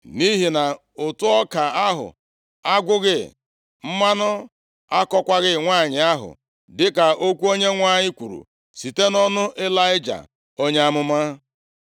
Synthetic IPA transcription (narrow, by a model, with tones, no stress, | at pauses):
ni˦ɦi˨na˨ | ʊ˨tʊ˦ɔ˦ka˨a˦ɦʊ̰˨ | a˦ɡʷʊ˦ɣɪ˦ | m̩˦ma˦nʊ˦ | a˦kɔ˦kʷa˦ɣɪ˦ŋʷa˦˨ɲɪ˨a˦ɦʊ̰˨ | dɪ˦ka˨ʔo˦kʷu˦o˦ɲe˦ŋʷa˦˨ɲɪ˦kʷu˨ɾṵ˨ | si˨te˦nɔ˦nʊ˦ʔe˦la˦ɪ˦d͡ʒa̰˨ | o˦ɲe˦a˦mʊ˦ma˦